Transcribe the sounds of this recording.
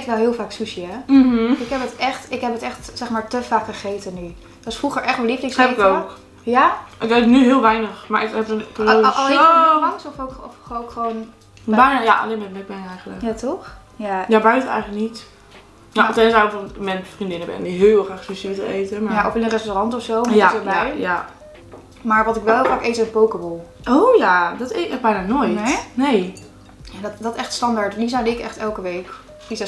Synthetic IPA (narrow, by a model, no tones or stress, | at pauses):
kʋɛlˠɦɪːlˠfaːksusiɛɪkɦɛpətɛχtɪkɦɛpətɛxtsɛχmaːɹtəfaːkχəχejtəny | tʋɑsfruχəɹʔɛχtaliflɪŋseɪkowk | jaʔɪketənyɦɪːlˠʋɛjnəχma̰ɹɪkɛpəpːlˠmɑŋsɔfokɔfowkχəʋon | bɛnja̰ʔa̰lemɛtmɛk̚bɛnɛjχələkjatɔx | jajabœɥtənɛ̰jχənlək̚nit | na̰tɛjnsawɪfɔnmɛnfrindɪnəbɛ̰ndiɦɪɪlˠχraːχspəsɪətəejtəmajaʔɔfɪlərɛstorɑntɔfsowmɛobɛjja | maːɹʋɑtɪkʋɛlˠɦɪlˠfaːkejtəɔpowkəbolˠ | ojadɔtetɛbɛjnaːnojtnej | jadtdɔtɛχtstɑndaɹtndis̬awdəɪkɛ̰χtɛlˠkəʋejk | isɛ